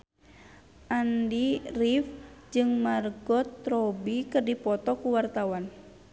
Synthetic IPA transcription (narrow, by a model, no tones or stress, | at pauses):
ʔandirifd͡ʒɨŋmarɡɔt̪ɾɔbikɨrdipɔt̪ɔkuwart̪awan